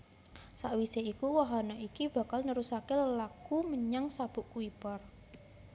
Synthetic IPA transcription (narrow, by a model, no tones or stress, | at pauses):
saʔwiseikuwaɦanaʔikib̥ä̤kalnəɾusakeləlakuməɲaŋsab̥ʊ̤ʔkuipɔr